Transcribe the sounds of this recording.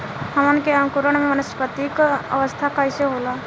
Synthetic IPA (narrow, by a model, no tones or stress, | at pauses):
həmənkeamkuɾəɳ̃mẽmənəspət̪ikə̰ʋəst̪ʰakaɪseɦoːla